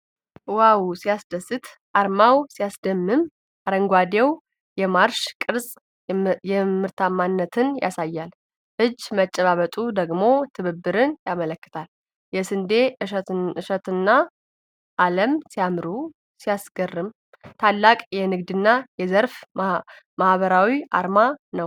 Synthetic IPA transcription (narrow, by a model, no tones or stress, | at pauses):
wawsijasd̪əsːɨt̪ | ʔaɾmawsijasd̪əmːɨm | aɾəŋɡʷad̪ew | jɛmaɾʃkʼɨɾsʼ | jɛmɨɾt̪ʰamːanːət̪ʰɨnjʔa̰sajːal | ʔɨd͡ʒːmət͡ʃʼːəβaβət̪ʼud̪əɡmo̞t̪ʰɨβɨbːɨɾɨnjamələkːɨ̥t̪ʰal | jɛsɨnd̪e̞ʔɨɨʃət̪ɨnːa | ʔːləmsijamɾu | sijasɡərːɨm | t̪ʰalːakʼjɛnɨɡd̪ɨnːajɛzəɾf | mahβəɾawiʔaɾmanəw